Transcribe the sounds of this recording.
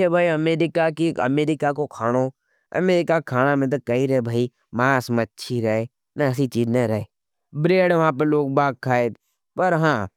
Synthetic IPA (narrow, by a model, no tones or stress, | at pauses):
ebʱaːiəmeːɾɪkakiə̰meːɾɪkakokʰaːɽ̃oː | ɐ̰meːɾɪkakʰaːnamɪ̃t̪̬əkəiɾɐebʱaːi | maːsmətːʃʰiɾɐɦeː | naɐs̬it͡ʃiːznəɾɐɦeː | bɾeːɽʋɐɦãːp̬əloːɡ̚baːɡ̚kʰːaːeːt̪ | pəɾɦãː